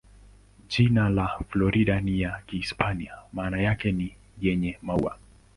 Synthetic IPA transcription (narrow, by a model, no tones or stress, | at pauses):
ʄinalaflɔɾiɗanijakiːspaniamaːnajakɛni | jɛɲɛmaṵa̰